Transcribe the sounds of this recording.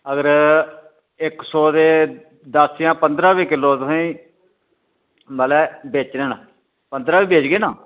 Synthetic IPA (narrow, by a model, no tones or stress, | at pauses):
əɡəɾ | ɪksɔːd̪eː | d̪əsjãːpənd̪ɾãːʋiːkɪlːoːt̪ʊsĩĩː | məːlɛːbeːt͡ʃneːna | pənd̪ɾaːʋiːbeːt͡ʃɡeːnaː